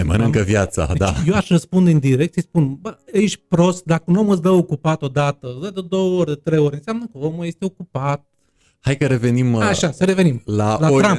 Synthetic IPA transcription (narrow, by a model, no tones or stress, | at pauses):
emə̰nɨŋkəvjat̪sa̰d̪ajewaʃrəspund̪eɨnd̪iɾe̞k̚t̪sijspunbəeʃʲpɾo̞st̪̚d̪akəunomɨsd̪əokupat̪o̞d̪at̪əsd̪əd̪ed̪o̞wəorʲd̪et̪ɾejo̞ɾʲɨnseamnəkəomuje̞st̪eokupat̪̚ | hajkəɾe̞ve̞nimaʃasəɾe̞ve̞nimlalat̪ɾamp